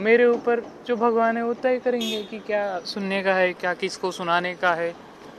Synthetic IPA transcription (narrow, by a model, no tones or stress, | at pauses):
meːɾeuːpəɾd͡ʒoːbʱɐɡʋaːnɦɛʋot̪ɛɦkɐɾẽːŋɡekikjaːsʊnːekaɦɛkjaːkɪskosʊnaːnekaɦɛː